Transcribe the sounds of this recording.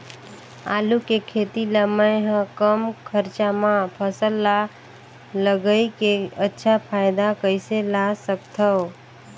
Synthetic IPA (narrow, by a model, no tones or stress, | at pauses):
a̰lukekʰet̪iləməjɦə̃kəmkʰəɾt͡ʃamãpʰəsəlːa | ləɡəikeətːʃʰapʰaɪd̪akəɪselasəkt̪ʰəw